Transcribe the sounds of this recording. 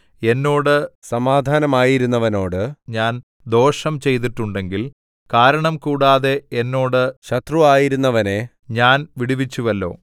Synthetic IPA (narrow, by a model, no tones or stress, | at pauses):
e̞nːo̞ːɽɨsɐmaːd̪ʱaːnɐmaːjiɾunːɐʋɐno̞ːɽɨɲaːn | d̪o̞ːʂɐmt͡ɕe̞jt̪̬iʈːuɳɖe̞ŋɡil | kaːɾɐɳɐmkuːɽaːðe̞enːo̞ːɽɨɕɐt̪ruaːjiɾunːɐʋɐne̞ | ɲaːnʋiɽiʋit͡ɕːuʋɐlːo̞̰ː